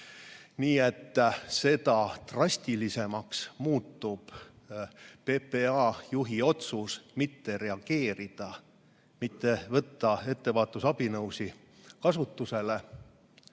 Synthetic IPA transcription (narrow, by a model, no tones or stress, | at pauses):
niːe̞t̪ˑːse̞d̪̥ɑt̪rɑsʲt̪ilise̞mɑksmuːt̪ːub̥ | peːpeɑːjuɦio̞t̪susmit̪ːe̞ɾe̞ɑɡ̥e̞ːɾid̪̥ɑ | mit̪ːe̞vɤt̪ːɑe̞t̪ːe̞vɑːt̪ːusɑb̥inɤwsi | kɑsut̪ːuse̞le̞